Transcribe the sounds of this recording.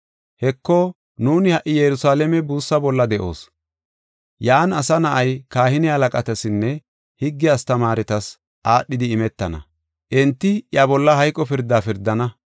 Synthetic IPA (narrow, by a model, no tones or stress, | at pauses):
hɛkːɔ | nuːnɪhɐʔɪjɛɾʊsaːlɛmɛbuːsːɐbɔlːɐd̪ɛʔo̞̰ːs | jaːnɐsɐnɐʔɐjkaːhɪnɪhɐlɐkʼɐt̪ɐsɪnːɛ | hɪɡːɪjast̪ɐmaːɾɛt̪ɐs | ʔaːɗːɪd̪ɪːmɛt̪ːɐnɐ̰ | ʔɛnt̪ːɪjabɔlːɐɦɐjkʼːɔpɪɾd̪ːaːfɪɾd̪ːɐnɐ